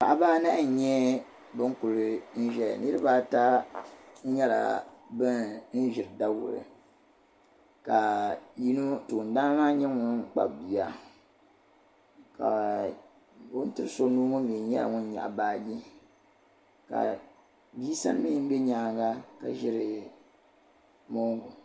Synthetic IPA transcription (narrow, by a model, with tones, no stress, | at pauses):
pa̰˨ʔa˦baː˦na˦ʔɲɛ˦ | bɨ˦ŋ˦kʊ˨ɾɨ˦n̩˦ʒɛ̰˨nɨ˦ɾɨ˦baː˦ta˦ | ɲɛ˦la̰˨bɨ˦nn̩˦ʒɪ˨ɾɨ˨da˦wʊ̰˨ɾɨ̰˨ | ka˨ji˦nu˦tu˨n˦daː˦maː˦ɲɛ˦ŋʊ˦k͡pa̰˨bbi˨a˦ | ka̰˨ | o˦n˦tɨ˦ɾso˦nu˦ŋo˦mi˨˦ɲɛ̰˦a̰˨ŋʊ˦n˦ɲa̰˨baː˦ɡi˦ | ka̰˨ | bi˦sa˦n˦mi˦m̩˦bɛ˦ɲaː˨˦˨ɡa˦ka˨ʒɪ˦ɾɨ˨ | mo˦ŋ˦ɡu˨